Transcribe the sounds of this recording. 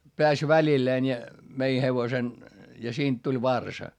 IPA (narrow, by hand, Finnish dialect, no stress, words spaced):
peæs ʋælilːeːn jɑ mei heʋosen jɑ siːnt tulʲ ʋɑrsɑ